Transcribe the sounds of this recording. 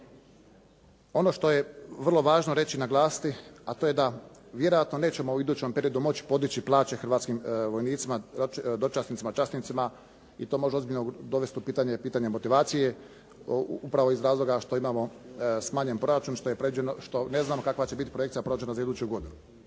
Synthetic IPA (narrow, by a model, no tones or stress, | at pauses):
o̞no̞ʃt̪o̞je̞ʋər̩lˠo̞ʋaːʒnoɾe̞t͡ɕinaɡlˠaːsi̥t̪iat̪oje̞d̪aʋje̞ɾo̞jat̪no̞ne̞ːt͡ɕe̞mouid̪uːt͡ɕempe̞ɾio̞d̪umo̞t͡ɕi̥po̞d̪it͡ɕiplˠaːt͡ɕe̞xɾ̩ʋaːt̪skimʋo̞jniːt̪simad̪ot͡ʃasnit̪simat͡ʃasnit̪sima | it̪omo̞ʒeo̞zbiʎʲnod̪o̞ʋe̞st̪upiːt̪aɲe̞piːt̪aɲemo̞t̪iʋaːt̪sije̞ | upɾaʋo̞izɾaːzlˠo̞ɡaʃt̪o̞imaːmo̞smaːɲenpɾo̞ɾat͡ʃunʃt̪ojepɾeʋid͡ʑenoʃt̪o̞ne̞znaːmo̞kakʋat͡ɕe̞bit̪i̥pɾojekt̪sijapɾo̞ad͡ʒenazaid̪uːt͡ɕuɡo̞d̪inu